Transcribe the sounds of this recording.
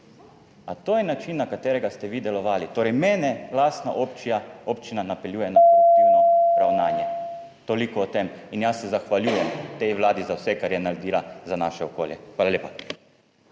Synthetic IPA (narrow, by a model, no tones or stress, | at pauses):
at̪oːjɛnat͡ʃinːakat̪ɛːɾɛɡast̪ɛʋiːd̪ɛlɔʋaːlit̪oːɾɛjmɛːnɛlast̪na̰ʔopt͡ʃaopt͡ʃinanapɛljuːjɛnainɔɾawnaːnjɛ | t̪olikɔːt̪eminjasːɛzaxʋaljuːjɛmt̪ɛjʋlaːd̪izawsɛkaɾjɛnaɾɛd̪iːlazanaːʃɛoko̰ːljɛxʋaːlalʲeːpa